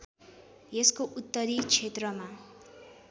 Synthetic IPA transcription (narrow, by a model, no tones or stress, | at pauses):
jeskoʔut̪ːʌɾit͡sʰet̪rʌma